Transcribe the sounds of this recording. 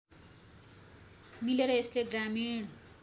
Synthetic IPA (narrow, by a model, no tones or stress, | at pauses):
mileɾʌesleɡramiɽ